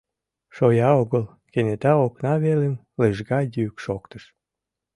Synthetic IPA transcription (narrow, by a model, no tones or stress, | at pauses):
ʃojɑoɣəl | kenet̪ɑoknɑβelem | leʒɣɑjykʃokt̪əʃ